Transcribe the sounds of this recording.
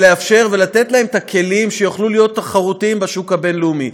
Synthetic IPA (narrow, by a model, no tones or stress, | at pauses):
le̞afʃe̞ʁve̞lat̪e̞t̪lae̞met̪akʰe̞limʃejoχlulijo̞t̪ːaχaʁut̪iimbaʃukabe̞nlumi